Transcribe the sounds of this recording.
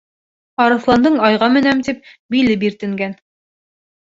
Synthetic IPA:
ɑɾɤ̆θlˠɑnd̪ɤɴɑjʁɑmɘ̆næmt̪ip̚bilɘp̬iɾt̪ɘ̆ŋɡæn

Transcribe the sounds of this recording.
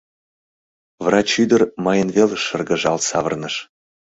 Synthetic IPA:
vrɑt͡ɕyd̪ərmɑjənvelʃərɡəʒɑlsɑ̰vərnəʃ

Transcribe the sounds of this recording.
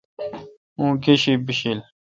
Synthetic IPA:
ũːkeɕibiɕil

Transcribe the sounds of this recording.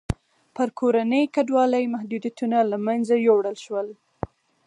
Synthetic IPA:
pəɾkʰoɾanəjkaɖwɑləjmahd̪ud̪jat̪unalamanzajowɽəlʃwəl

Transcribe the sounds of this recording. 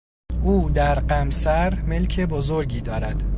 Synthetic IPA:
ʔuːd̪æɾɢæmsæɾme̞lcʰe̞bozoɾɟiːd̪ɒːɾæd̪̥

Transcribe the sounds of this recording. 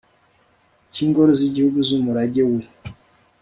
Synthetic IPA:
ciːŋɡoɾoziɟihuɡuzumuɾaɟewe

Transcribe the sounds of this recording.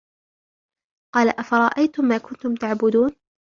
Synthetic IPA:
qɑːlaʔafɑɾˤɑʔajt̪ʊmːaːkʊnt̪ʊmt̪aʕbʊd̪uːn

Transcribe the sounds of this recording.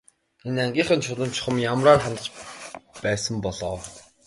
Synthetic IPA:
enaŋɡʲiːχə̆nt͡ɕʰʊtə̆mt͡ɕʰʊ̥̆χə̆mjamraːrχamʲt̪̆t͡ɕpæːsə̆mpɔɮɔː

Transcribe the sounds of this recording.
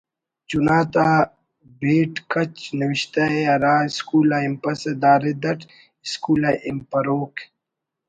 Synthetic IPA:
t͡ʃunaːt̪aː | beːʈkɐt͡ʃnɐwiʃt̪aeɐɾaːiskuːlaimpɐsed̪aːɾed̪ɐʈʰ | iskuːlaʔimpɐɾoːkʰ

